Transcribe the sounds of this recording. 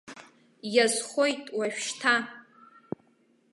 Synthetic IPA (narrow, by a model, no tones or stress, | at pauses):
jazχʷojtʼwaʃᶣʃtʰa